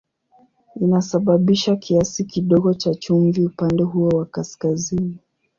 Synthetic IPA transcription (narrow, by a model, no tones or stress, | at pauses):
inasaɓaɓiʃakʰiasikiɗɔɠɔt͡ʃat͡ʃumviupandɛɦuɔwakaskazini